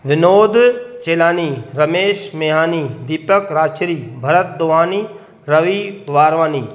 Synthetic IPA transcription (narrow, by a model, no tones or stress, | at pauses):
ʋɪnoːd̪t͡ʃeːlaːniːɾɐmeːʃmeɦaːnid̪iːpəkɾaːt͡ʃɾiːbʱɐɾət̪̚d̪oːʋaːniː | ɾɐʋiʋaːɾʋaːniː